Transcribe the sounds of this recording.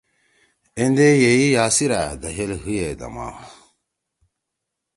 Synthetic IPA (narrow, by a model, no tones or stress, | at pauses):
end̪ejeijaːsiɾa̰d̪ɐɦelɦujed̪ɐ̰ma̰w